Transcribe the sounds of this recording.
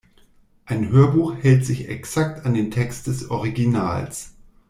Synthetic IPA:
ʔaɪnɦøːɐbuːxhɛltz̥ɪçɛ̰ksaktandeːntʰɛkst̚d̥ɛsʔɔʁiɡina̰ːls

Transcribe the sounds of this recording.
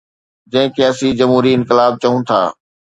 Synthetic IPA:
d͡ʑɐ̃ɦɪ̃kʰeːɐsĩd͡ʑɐmɦuːɾiɪnkɪlaːb̚t͡ɕɐɦũt̪ʰa̰ː

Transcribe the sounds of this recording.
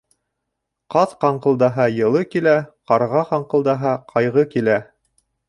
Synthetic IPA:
qɑθqɑɴqɤ̆lˠd̪ɑɦɑjɤ̆lˠɤkilæqɑɾʁɑqɑɴqɤ̆lˠd̪ɑɦɑqʰɑjʁɤkilæ

